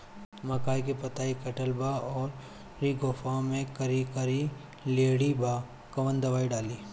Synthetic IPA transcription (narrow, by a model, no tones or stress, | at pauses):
mɐkaːikepɐt̪aːikɐʈəlbaɔːɾ | ɾiɡʱoːfʰamẽkɐɾikɐɾi | leːɽibʱa | kɐʋə̃nd̪ɐʋaːiɖaːliː